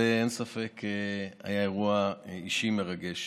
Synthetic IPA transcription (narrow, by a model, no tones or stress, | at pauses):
eensafe̞kʰea̰jaeʁuaiʃime̞ʁaɡe̞ʃ